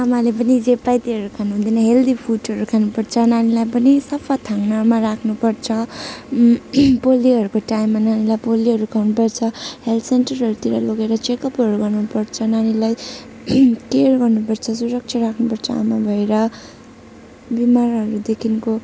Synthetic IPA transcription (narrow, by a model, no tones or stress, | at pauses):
amalepʌnid͡zepajt̪iɦʌɾukʰanuɦũnd̪ʌjnʌɦeld̪ipʰuʈʌɾukʰanupʌrt͡sʰʌnanilajpʌnisʌpʰʌt̪ʰaŋnamarakʰnupʌrt͡sʰʌ | poliɦʌɾukoʈajmːananilajpoliɦʌɾukʰawnupʌrt͡sʰʌhelt̪senʈʌrɦʌɾut̪iɾʌloɡeɾʌt͡sekʌpɦʌɾuɡʌrnupʌrt͡sʰʌnanilaj | kerɡʌrnupʌrt͡sʰʌs̬uɾʌk̚t͡ʃt͡sʰʌrakʰnupʌrt͡sʰʌa̰mabʱʌeɾʌ | bimarɦʌɾud̪ekʰinko